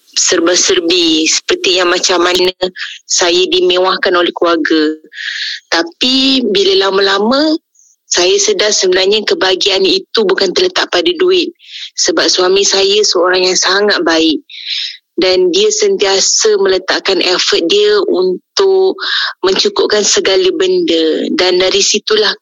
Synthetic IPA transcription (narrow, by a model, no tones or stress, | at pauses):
sərbəsərbisə̥pərt̪ijaŋmat͡ʃamanəsajadimẽwahkanolɛhkluarɡə | t̪apibiləlamə̃lamə̃ | sajasədahsəbənarɲəkəbaɡianit̪ubukant̪ərlət̪aʔ̚padaduɪt̪̚səbap̚swamisajəsəoɾaŋjaŋsaŋat̪̚baɪʔ̚ | dandiəsənt̪iasəmələt̪aʔkanʔɛfət̪̚diəʔunt̪ʊʔmə̃ɲt͡ʃukʊp̚kansəɡaləbəndədandaɾisit̪ulah